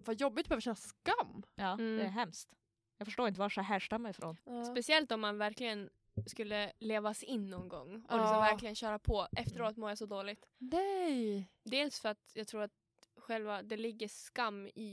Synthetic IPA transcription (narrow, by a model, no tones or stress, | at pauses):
vajɔbːɪɡt̪bɛøːvəɕɛnːaskamːɑd̪ɛæɦɛmst̪ | jɑɡfœʂʈoːɾɪnt̪əvaʂɛɦæʂʈ̪amɛjfɾo̰nspɛsɪɛlt̪ɔmːanvæɾklɪɡən | skɵlːəleːvasɪnːɔnɡɔ̰ŋːɔlɪksvæɾklɪɡənɕœːɾapʰɔʔɛft̪əɾoːt̪moːɾjasɔd̪oːlɪt̪ɛj | d̪eːlsfœɾat̪jɑːɡ̚t̪ʰɾuːɾat̪̚ | ɧɛlvad̪ɛlɪɡːəskamːɪ